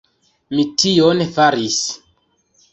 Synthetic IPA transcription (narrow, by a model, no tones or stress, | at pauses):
mitionfaɾis